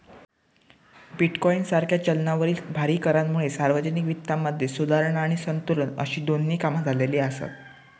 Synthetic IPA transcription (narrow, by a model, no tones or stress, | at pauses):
biʈkɔinsaɾkʰjat͡ɕəlnaʋəɾiːlbʱaɾiːkəɾanmuɭesaɾʋəd͡ʑənikʋit̪ːaməd̪ʱjesud̪ʱaɾəɳaɽ̃isənt̪uɾənə̰ɕiːd̪onːiːkamad͡zʱaleliːasa̰t̪̚